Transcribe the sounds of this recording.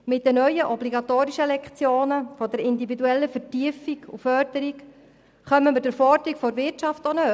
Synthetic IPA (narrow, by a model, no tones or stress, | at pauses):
mɪt̚dɛnœʏəʔɔbliɡɑtoːɾiʃəlɛkt͡sjoːnəfɔdɛɾɪnd̪ividuɛlːəfəɾtiəfikṵfœɾdəɾik | χœməməd̥əɾfɔɾdəɾikfɔɾʋɪtt͡ʃɑftonø